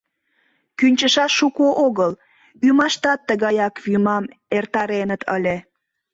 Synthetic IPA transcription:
kynʲt͡ɕəʃɑʃːukoʔoɣəl | ymɑʃt̪ɑt̪ːəɣɑjɑkvymɑm | ert̪ɑɾenət̪ʰə̰lʲe

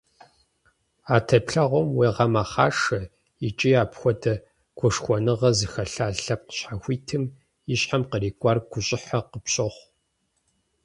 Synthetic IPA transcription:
aːtʰɐpɬɐʁʷɔmweːʁɐmaːχɑːʂɐ | ɪt͡ʃʼiaːpxʷɔdʰɐ | kʷʰʊʂxʷɔnɨʁɐzɨxɐɬaːɬɐp̚qə̥ɕħaxʷiːtʰɨm | ɪɕħamqəriːkʷʼɑrɡʷʊɕʼɪħɐqəpɕʼɐχʷ

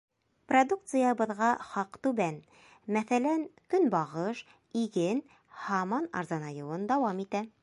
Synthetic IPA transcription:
prod̪uk̚t̪sɨjaβɤ̆ðʁɑχɑqt̪ʉbæn | mæθælænkɵnbɑʁɤʃ | iɡɘn | hɑmɑnɑ̰ɾzɑnɑjɤ̆wɤnd̪ɑwɑmit̪æ

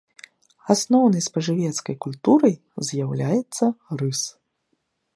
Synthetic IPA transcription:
asnɔwnɐjspɐʐɨvʲɛt̪skɐjkulʲt̪uɾɐj | zʲjawlʲajɛt̪sːɐrɨs

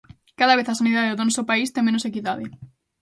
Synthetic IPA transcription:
kaðaβ̞eθasaniðaðeðonɔsopaist̪emẽnosekiðaðe

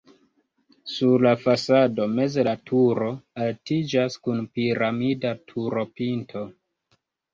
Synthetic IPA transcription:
suɾlafasado̞me̞zelatʰuɾo̞altid͡ʒaskunpiɾamidatʰuɾo̞pintʰo̞

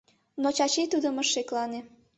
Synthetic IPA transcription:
not͡ɕɑt͡ɕit̪ud̪ə̆məʃeklɑne

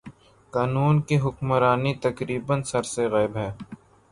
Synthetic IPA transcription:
kaːnuːnkeɦʊkmɾaːnit̪ɐkɾiːbənsɐɾseɣɛːɪbɦɛː

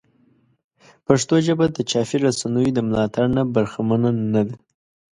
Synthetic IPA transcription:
paʂt̪oʒəbad̪ət͡ʃɑfiɾasanəjod̪əmlɑt̪aɾnabaɾxamananad̪a

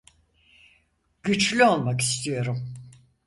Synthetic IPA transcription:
ɟyt͡ʃlʲyo̞lˠmaki̥st̪ʰijo̞ɾum

